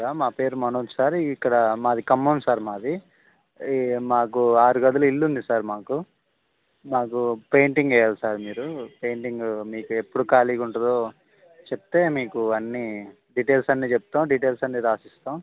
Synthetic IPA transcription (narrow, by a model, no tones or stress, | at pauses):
aːmaːpe̞ːɾumɐnosaːɾikːɐɽɐmaːɐd̪ikɐmːɐnsaːɾmaːɐd̪i | maːk̬uaːɾuɡɐd̪ɐlɐilːund̪isaːɾmaːku | maːkupe̞jɳʈiŋɡɛːjaːlusaːɾmiːɾupe̞ːɳʈiŋɡmiːkuepːuɽukaːliːkuɳʈud̪oː | t͡ʃep̚t̪e̞ːmiːkuɐnːi | ɖiʈeːlsɐnːiːt͡ʃepu̥t̪aːmɖiʈe̞ːlsɐnːiːɾaːsist̪aːm